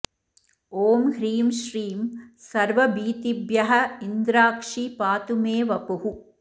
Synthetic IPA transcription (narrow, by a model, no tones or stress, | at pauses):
oːmhɾiːmʃɾiːmsɐɾʋɐbiːt̪ibjɐɦɐɪnd̪ɾaːkʂipaːt̪umeːʋɐpʊɦu